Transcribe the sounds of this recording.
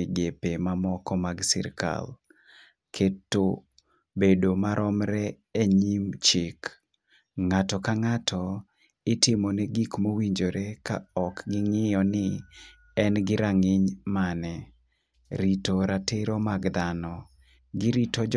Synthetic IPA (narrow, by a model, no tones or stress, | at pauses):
ɡepemamɔkɔmaɡsɪ̰ɾka̰l | kʰetːo | bedomaɾʔɔmɾɛ | eɲimt͡ʃɪk | ŋatɔkaŋatʰɔ | ɪtɪmoneɡikmowiɲd͡ʒoɾeka̰ɔkɡɪŋɪjɔnɪ | ɛnɡɪɾaŋɪɲmanɛ | ɾitoɾatɪɾomaɡd̪anɔ | ɡɪɾitɔ